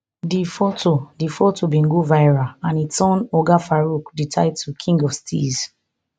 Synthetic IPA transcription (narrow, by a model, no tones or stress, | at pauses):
difotʰodifotʰobĩŋɡuvaɪɹaãnisɔ̃nɔɡafaɹukditʰaɪdtʰukʰĩŋɡɔvstʰiz